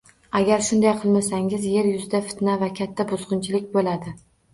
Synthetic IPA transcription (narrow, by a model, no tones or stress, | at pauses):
aɡʲaɾʃʊnd̪ajqʰɨlˠmasaŋʲɪzje̞ɾjʊzɪd̪afɪ̥t̪navakʲʰat̪ʰːabʊzʁʊnt͡ʃʰɪlɪkʲbolad̪ɪ